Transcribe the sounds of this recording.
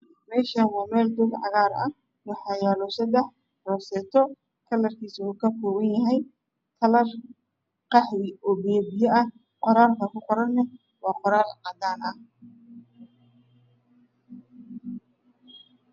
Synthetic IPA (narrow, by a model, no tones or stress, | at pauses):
mɛːʃɐnwɑːmɛːld̪ʊɡʕɑ̰ɣaːrɐ̰ | wɑħɑːjɛːlɔsɐd̪ɛħ | rɔːsɛːt̪ʰɔ | kʰɐlɐrkʰiːsuːkʰɐfɔːɣɐnjɐɦɛj | k̪ʰɐlɐr | qɑħwɪɔːbɛːbɪjɐʔɐ | qɔɾaːlkʰɐkʰʊqɔɾɐnːɐ | wɑːqɔɾaːlʕɑd̪aːnʔɐh